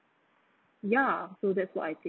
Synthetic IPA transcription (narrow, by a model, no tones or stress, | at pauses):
jasoʊðɛtswɔtaɪθɪ̃